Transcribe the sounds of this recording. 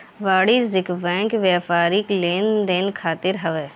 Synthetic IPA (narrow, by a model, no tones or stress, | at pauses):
ʋaːɽizɪkʋɛ̃ːŋkʋɛːfaːɾikleːnd̪eːnkʰaːt̪ɪɾɦɐʋɛː